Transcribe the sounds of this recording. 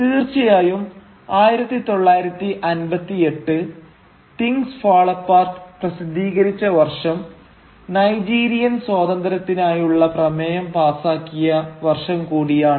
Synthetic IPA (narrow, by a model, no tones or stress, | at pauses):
t̪iːrt͡ɕijaːjum | aːjiɾɐt̪ːit̪o̞ɭːaːjiɾɐt̪ːiʔɐnbɐt̪ːie̞ʈːɨ | t̪iŋɡsfaːɭɐpːaːrʈɨ̥prɐsid̪ʱiːɣɐɾit͡ɕːɐʋɐrʂɐm | nɐjd͡ʑiːɾijɐnswaːd̪ɐnd̪ɐɾɐt̪ːinaːjuɭːɐprɐmejɐmpaːsaːkːijɐʋɐrʂɐmkuːɽijaːɳɨ